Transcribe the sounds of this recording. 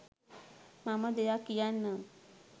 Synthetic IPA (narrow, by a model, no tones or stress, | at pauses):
maməd̪ejakijanːa